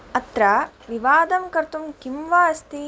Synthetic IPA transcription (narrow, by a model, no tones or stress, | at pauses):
ɐt̪ɾaʋiʋaːd̪ɐmkɐɾt̪umkimʋaːɐst̪i